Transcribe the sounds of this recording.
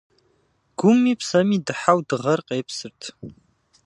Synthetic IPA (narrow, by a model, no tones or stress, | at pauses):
ɡ̥ʷʊmːipʰsɐmidɨħawdɨʁɐrqʼeːpʰsɨrtʰ